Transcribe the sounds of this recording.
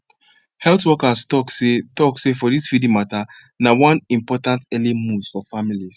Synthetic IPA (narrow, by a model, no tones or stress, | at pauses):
hɛltwɔkastɔksetɔksefɔðisfidĩmata | nawãnĩmpɔtãntɛlimu̥fɔfamilis